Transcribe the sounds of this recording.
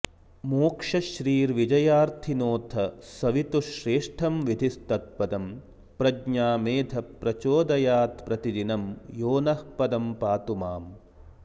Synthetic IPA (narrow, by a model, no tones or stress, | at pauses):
moːkʂɐʃɾiːɾʋid͡ʒɐjaːɾt̪ʰinoːt̪ʰɐsɐʋit̪uʃɾeːʂʈʰɐmʋid̪ʱist̪ɐt̪̚pɐd̪ɐm | pɾɐɡɲaːmeːd̪ʱʰɐpɾɐt͡ʃoːd̪ɐjaːt̪pɾɐt̪id̪inɐmjoːnɐhpɐd̪ɐmpaːt̪umaːm